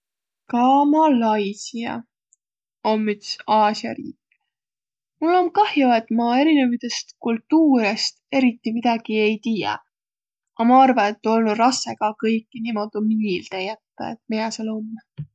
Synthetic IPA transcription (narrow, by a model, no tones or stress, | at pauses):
kɑmɑlɑjsiɑ̰ | omːyt̪sɑːsiɑ̰ɾḭːkː | mulːo̞mkɑhjoet̪mɑe̞ɾinemit̪est̪kult̪ːuːɾest̪e̞ɾit̪ːˑimid̪̥ɑɡ̥ie̞jt̪iːjɑ̰ | ɑmɑɑrvɑne̞t̪ˑːo̞lnurɑsːeɡ̥ɑkɤjkːˑinimo̞d̪umiilt̪ejæt̪ːɑ̰ḛt̪̚mijɑselomː